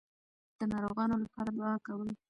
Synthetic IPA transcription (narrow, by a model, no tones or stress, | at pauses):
d̪̥ənɑɾoɣɑnolapɑɾalɑkawəl